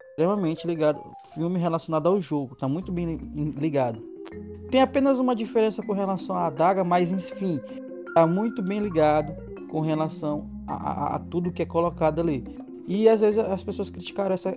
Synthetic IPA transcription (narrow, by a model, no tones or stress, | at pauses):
st̪ɾemɐmẽt͡ʃɪliɡad̪ʊ̰ | fiwmɪɦelasjonad̪ʊawʒoɡʊt̪amũj̃t̪ʊbẽj̃liɡad̪ʊt̪ẽj̃apẽnɐzũmɐd͡ʒifeɾẽsɐkõɦelasɐ̃w̃aːd̪aɡɐmajzẽj̃fĩ | t̪amũj̃t̪ʊbẽj̃liɡad̪ʊ | kõɦelasɐ̃w̃ | a̰a̰t̪ud̪ʊkɪɛkolokad̪ʊali | ɪazvezɪzɐspesoɐskɾit͡ʃi̥kaɾɐ̃ɛsɐ